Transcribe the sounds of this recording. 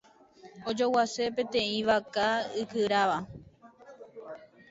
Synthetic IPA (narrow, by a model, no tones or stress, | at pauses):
od͡ʒowase̞pẽt̪ẽ̞ĩʋakaɨkɨɾaʋa